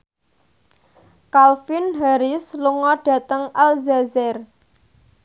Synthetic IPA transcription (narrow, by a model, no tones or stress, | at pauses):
kalfɪnɦaɾɪsluŋɔɖ̥ä̤t̪əŋalzazɛr